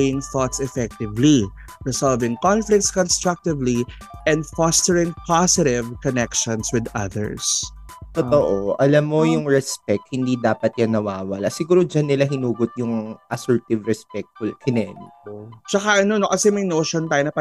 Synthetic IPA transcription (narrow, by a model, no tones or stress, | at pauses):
jɪŋθɔt̪sɛfɛk̚t̪ɪvli | ɹɪsalvɪ̃ŋkɔnflɪk̚t̪skɔnst̪ɹak̚t̪ɪvli | ʔɛ̃nd̪fɔst̪ɛɹɪ̃ŋpasɪɾɪvkɔnɛkʃɔ̃nswɪd̪ɐ̰ðɛ̰ɹs | t̪ot̪oʔoʔɐlamːojʊŋɹɛspɛk̚k̪̚hɪnd̪id̪aːpɐt̪̚jɐŋnɐwaːwɐlasɪɡuːɾod͡ʒanːɪlaɦɪnuːɡʊt̪̚jʊŋʔɐsɛɹt̪ɪvɾɛspɛk̚t̪̚fʊlkʰɪnɛnɪkot͡ʃɐkaʔɐnonokɐsɛmɐjnoːʃont̪aːjonɐpɐ